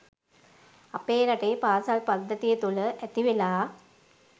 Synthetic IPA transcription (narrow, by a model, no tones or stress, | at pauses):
ɐpːeːnɐʈːepaːsalpɐd̪ʱːɐt̪ːijet̪uɭɨʔet̪ːiʋilaː